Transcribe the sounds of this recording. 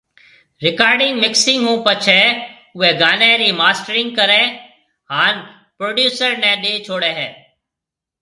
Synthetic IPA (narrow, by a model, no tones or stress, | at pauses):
ɾɪkaːɾɖɪŋɡmɪksɪŋɡɦũːpət͡ʃʰɛː | ʊʋɛːɡaːnɛ̃ːɾiːmaːsʈəɾɪ̃ŋɡ̚kəɾɛ̃ː | ɦaːn | pɾoːɖjuːsəɾnɛ̃ːɗeːt͡ʃʰoːɽɛːɦɛː